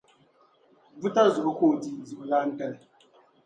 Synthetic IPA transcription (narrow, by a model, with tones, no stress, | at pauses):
bu˦ta˦zu˨ʔʊ˦koː˦˨ti˦zu˨ʔla˦n̩˦tɛ˦l